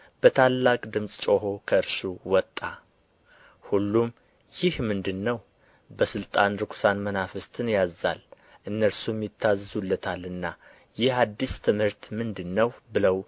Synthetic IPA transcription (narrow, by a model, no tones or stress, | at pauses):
b̥ət̪ʰalːakʼd̪ɨmsʼt͡ʃʼo̞ɦo̞kʰəɨɾʃuwɔt̪ʼːa | hulːum | jɪhmɨnd̪ɨnːəw | bəsɨlt̪ʼanɾɨkʰʷu̥sanmənafɨst̪ʰɨnjazːa̰l | ʔɨnːəɾsumjɪt̪ʰːazːɨzulːət̪ʰalɨnːa | jɪhad̪ːist̪ʰɨmhɨɾt̪mɨnd̪ɨnːəwbɨləw